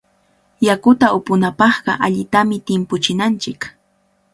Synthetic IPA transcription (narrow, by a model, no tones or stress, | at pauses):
jakʊt̪aʊpʊnapɑχɢɑ̰ʔaʎɪt̪amɪt̪ɪmpʊt͡ʃɪnant͡ʃɪk